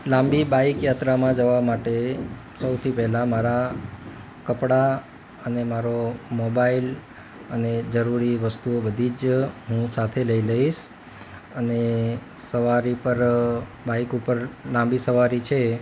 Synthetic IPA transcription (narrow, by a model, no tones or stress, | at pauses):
lãmbibaikjat̪ɾamãd͡ʒəʋamaʈe | səwt̪ʰipɛɦlamaɾa | kəpɽa | ənemaɾomobail | əned͡ʒəɾuɾiʋəst̪uobəd̪ʱid͡ʒɦũsat̪ʰeləiləiʃ | əne | səʋaɾipəɾbaikupəɾlãmbisəʋaɾit͡ʃʰe